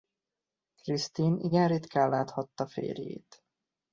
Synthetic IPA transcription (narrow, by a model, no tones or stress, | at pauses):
krist̪iniɡɛnrit̪kaːlːaːt̪hɒt̪ːɒfḛːrjḛːt̪